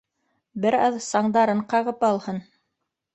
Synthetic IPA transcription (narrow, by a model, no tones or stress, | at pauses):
bɘɾɑðsɑɴd̪ɑɾɤɴqɑʁɤpɑlˠhɤn